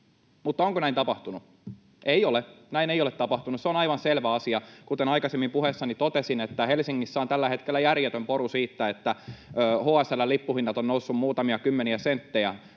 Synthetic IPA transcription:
mut̪ːɑoŋkonæint̪ɑpɑht̪unu | ʔeiolenæinejolet̪ɑpɑht̪unusseonɑiʋɑnselʋæɑsiɑkut̪enɑikɑsemːimpuhesːɑnit̪ot̪esinet̪ːæhelsiŋːisːæont̪ælːæhet̪kelːæjærjet̪ømpoɾusiːt̪ːæet̪ːæøːhoːæsælːælipːuhinːɑt̪onnousːummuːt̪ɑmiɑkymːeniæsent̪ːejæ

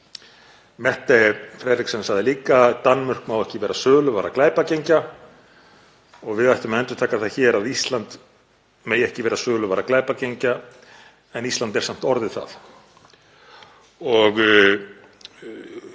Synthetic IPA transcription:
mɛht̪afɾɛːɾɪksɛmsaðɪliːkat̪anːmʏr̥kmawɛhcɪvɛːɾasœːɣlʏvaːɾaklaːjpacejɲca | ɔɣvɪðajht̪ʏmɛnt̪ʏɾ̥t̪ʰaːkaθaðçɛːɾaðist̪lant̪ | meːjɛhcɪvɛːɾasœːɣlʏvaːɾaklaːjpacejɲca | ɛnist̪lant̪ɛɾ̥sam̥t̪ɔɾðɪ̥θa̰θ | ɔɣ

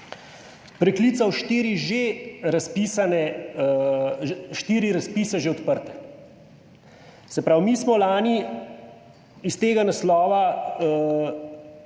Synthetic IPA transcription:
pɾɛkliːt̪sawʃt̪iːɾiʒeɾaspiːsanɛ | ʃt̪iːɾiɾaspiːsɛʒeɔt̪pəɾt̪ɛ̥ | sɛpɾawmiːsmɔlaːni | ist̪eːɡanaslɔːʋa

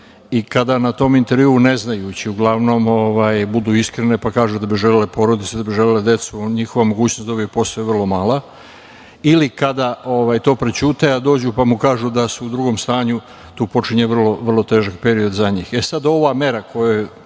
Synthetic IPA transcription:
ikad̪anat̪o̞mint̪e̞ɾʋjiːne̞znajut͡ɕiuɡlˠaʋno̞mo̞ʋaːjbud̪uːiskɾene̞pakaːʒud̪abiʒelʲelepo̞ɾo̞d̪it̪ed̪abiʒelʲeled̪e̞t̪suɲixo̞ʋamo̞ɡuːt͡ɕnosd̪obiepo̞st̪ojeʋrlˠo̞maːla | ilikad̪aʔo̞ʋaːjt̪o̞ːpɾet͡ɕut̪aad̪o̞ːd͡ʑupamukaːʒud̪asuud̪ɾuɡo̞mst̪aːɲu | t̪uːpo̞t͡ʃiɲeʋr̩lo̞ʋr̩lˠo̞t̪e̞ːʒakpe̞ɾio̞d̪zaɲiːxesad̪o̞ʋame̞ɾakʰo̞jo

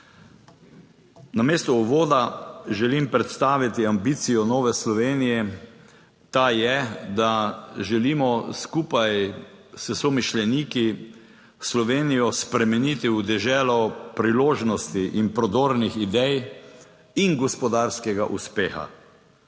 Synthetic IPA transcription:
nameːst̪ɔuʋoːd̪aʒɛlimpɾɛt̪st̪aːʋit̪iambit̪sijɔnɔːʋɛslɔʋeːnijɛ | t̪ajɛd̪aʒɛlimɔskuːpajsɛsɔmiʃlɛniki | slɔʋeːnijɔspɾɛmɛnit̪iwd̪ɛʒɛːlɔpɾiloːʒnɔst̪iʔinpɾɔd̪oːɾnixid̪ɛj | inɡɔspɔd̪aɾskɛɡaʔuspeːxa̰

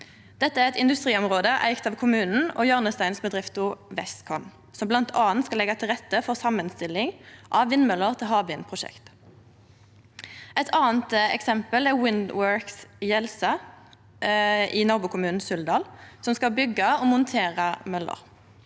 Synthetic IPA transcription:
d̪̥ɛt̪ːəæʁɛt̪ɪnd̪ʉst̪ʁiːɔmʁoːd̪əʔæ̰ɪkt̪ɑːʋkʰʊmʉːnn̩o̰ːjɑːʁnəst̪æɪnsbəd̪ʁɪft̪ʊʋɛskʰɔn | sɔmblɑnt̪ʰɑːnt̪skɑlɛɡɑt̪ʰɪlʁɛt̪ːəfɔʁsɑmːənst̪ɪlɪŋʔɑʋʋɪnːmœlːəʁt̪ʰɪlɦɑːbɪnpʰʁʊʃɛ̰kt̪ | ʔɛt̪ʰɑːnt̪ɛ̰ksɛmpəlæʁwɪnd̪wøɹksjɛlsɑ | ʔiːnɑʁbʊːkʰʊmʉːnn̩sʉld̪ɑːlsɔmskɑbʏɡɑoːmʊnt̪ʰeːʁɑmœlə̰ʁ

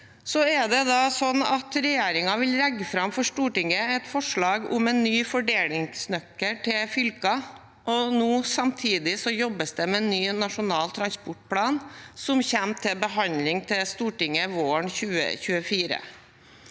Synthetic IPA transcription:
sɔɛɖ̪ɛd̪ɑːsɔnːɑt̪ɾɛjeːɾɪŋɑʋɪlɾɛɡːəfɾɑmfɔʂt̪uːʈɪŋːəɛt̪fɔʂɭɑːɡʊ̰mɛnːyːfɔɖeːlɪŋsnœkːəʈʰɪfʏlkɑ | ʔɔnuːsɑmt̪ʰiːd̪ɪsɔjɔbəsd̪ɛmɛnːyːnɑʂʊnɑːlt̪ʰɾɑnspʊʈ̚pʰlɑːnsɔmçɛmt̪ʰɪlbəɦɑnlɪŋt̪ʰɪlst̪uːʈɪŋːəʋoːəɳçʉːə̰çʉːəfiːɾə̰

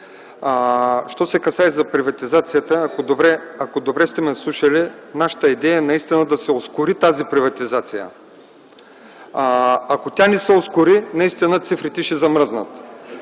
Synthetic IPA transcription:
ʃt̪ɔsɛkɐsaɛzɐpɾivɐt̪izat̪sijət̪əːkod̪obɾɛɐkod̪obɾɛst̪ɛmɛslˠuʃəlinaʃə̥t̪əid̪ɛjəɛnɐist̪inəd̪ɐsɛoskʊɾit̪azipɾivɐt̪izat̪sijə̰ | ɐkot̪ʲanɛsɛoskʊɾinɐist̪inət̪sifɾit̪ɛʃɛzɐmɾəznə̰t̪

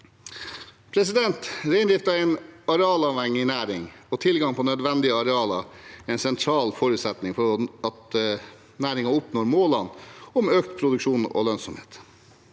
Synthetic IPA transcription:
pʰɾɛsɪd̪ɛnt̪ɾeɪnd̪ɪft̪ɑɛɪnɑɾɛɑːlɑʋɛŋːɪnæːɾɪŋɔt̪ʰɪlɡɑŋpʰɔnœd̪ʋɛnd̪ɪəɑɾɛɑːlɑ̰ɛɪnsɛnt̪ʰɾɑːlfɔɾʉːt̪sɛt̪nɪŋfɔɾɑt̪ | næːɾɪŋɑʊpnoːɾmoːlɑnːɔmøːkt̪pʰɾʊd̪ʉkʂuːnɔ̰ːlœnsɔmheːt̪

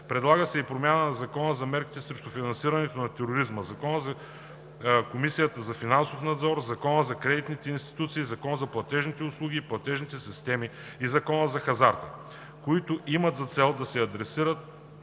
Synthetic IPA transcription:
pɾɛd̪lˠaɡəsɛipɾomʲjanənɐzɐkɔnəzɐmɛɾki̥t̪ɛsɾɛʃt̪ofinɐnsiɾɐnɛt̪onɐt̪ɛɾoɾizməzɐkɔnəzɐ | komisijət̪əzɐfinansofnɐd̪zɔɾzɐkɔnəzɐkɾɛd̪it̪nit̪ɛinst̪i̥t̪ut̪siːzɐkɔnəzɐplˠɐt̪ɛʒnit̪ɛʊslˠuɡ̟iːplˠɐt̪ɛʒnit̪ɛsist̪ɛmi | izɐkɔnəzɐxɐzaɾt̪ə | koit̪ʊʔimət̪zɐt̪sɛlˠd̪ɐsɛɐd̪ɾɛsiɾət̪̚

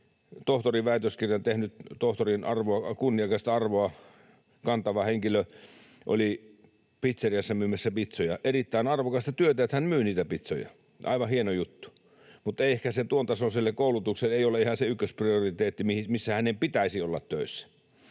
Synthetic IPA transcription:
t̪oht̪oriʋʋæˑit̪øskirjɑnt̪ehnyt̪t̪oht̪orinɑrʋoɑkunːiɑˑkɑst̪ɑɑrʋoɑ | kɑnt̪ɑʋɑheŋkilø | ʔo̰li | pit̪seriæsːɑmyːmæsːæpit̪sojɑʔerit̪ːæinɑrʋokɑst̪ɑt̪yøt̪æet̪hænmyːniːt̪æpit̪so̰jɑ̰ | ɑ̰ˑiʋɑhienojut̪ːu̥ | mut̪ːeˑehkæset̪uont̪ɑsoselːekkoˑulut̪ukseleˑioleihɑnseykːøspriorit̪eːt̪ːimihimisːæhænempit̪æisiolːɑ̰t̪tøˑisːæ̥

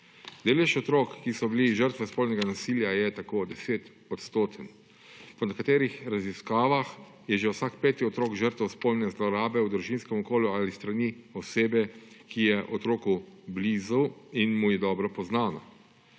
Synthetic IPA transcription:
d̪eːlɛʃɔt̪ɾoːkːisɔbiliʒəɾt̪ʋɛspolnɛɡanasiːljajɛt̪akoːd̪ɛseːt̪ | ɔt̪st̪oːt̪ʰən | pɔnɛkat̪eːɾixɾaziskaːʋax | jɛʒewsaːkpɛːt̪iɔt̪ɾoːkʒəɾt̪ʋɛwspolnɛzlɔɾaːbɛwd̪ɾuʒinskɛmɔkoːljuaːlist̪ɾaniɔseːbɛkijɛʔɔt̪ɾoːkubliːzuwinmujɛd̪ɔːbɾɔpɔznaːnɔ̰

